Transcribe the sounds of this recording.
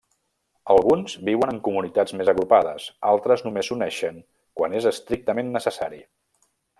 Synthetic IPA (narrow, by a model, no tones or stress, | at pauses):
əlˠɣunz̥biwənəŋkumunit̪ad͡zmezəɣɾupaðə̰salˠt̪ɾəznumezunɛʃəŋ | kwanezəst̪ɾik̚t̪əmenːəsəsaɾḭ